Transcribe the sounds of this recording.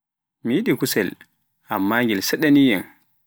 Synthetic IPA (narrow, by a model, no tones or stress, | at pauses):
mijiɗikusɛl | ʔamːaŋɡilsɛɗanijɛm